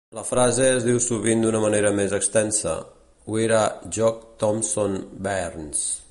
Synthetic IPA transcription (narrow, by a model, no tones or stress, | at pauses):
ləfɾazeəzðiwsuβind̪unəməneɾəmezəkst̪ɛnsə̰ | ueɾaʒɔk̚t̪ɔmsonbɛrns